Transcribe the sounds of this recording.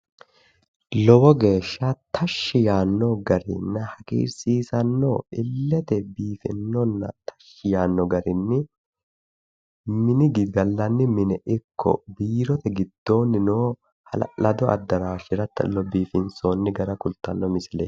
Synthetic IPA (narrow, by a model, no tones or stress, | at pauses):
lɔbɔɡe̞ːʃːat̪ʰɐʃːɪjaːnːɔɡɐɾɪ̰nːɐhɐkḭːɾsiːsɐnːoːɪlːɛt̪ɛbiːfɪ̰nːɔnːɐ̰t̪ɐ̥ʃːɪjaːnːɔɡɐɾɪnːɪ | mɪnɪɡɪɡ̪ɐlːɐnːɪmɪnɛʔɪkːɔ̰biːɾɔt̪ɛɡɪd̪̥ːo̞ːnːɪnoː | hɐlɐd̪ɔʔɐ̰d̪ːɐɾaːʃɪɾɐt̪ːɐ̰lɔbiːfɪnso̞ːnːɪɡɐɾɐkʊlt̪ːɐnːɔmɪsɪlḛː